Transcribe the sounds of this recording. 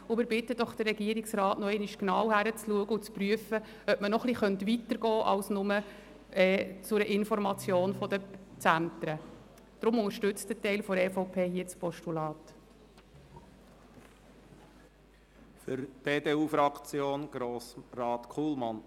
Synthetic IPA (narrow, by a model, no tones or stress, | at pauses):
ʊmɪɾbɪtəd̥ɔχd̥ərːɛɡiəɾiksɾɑːtnɔɛɪnɪʃknɑwhæɾət͡sluəɡəʊt͡spryəfə | œpmənɔχliχœnt̪ʋitəɾɡɔːʔɑ̰wsnʊmə | ɛːt͡sʊɾəʔɪnfɔɾmɑt͡sjoːnfɔd̪ət͡sænt̪ɾə | d̪̥ɾʊmʊŋəɾʃtʏt͡stətɛɪlfɔɾɛːfoʊpʰeːhiːət͡spɔʃtulɑːt | fʏɾd̥eːdeːuːfɾɑkt͡sjoːnɡ̥ɾoːsɾɑːt̪kʰuːlmɑn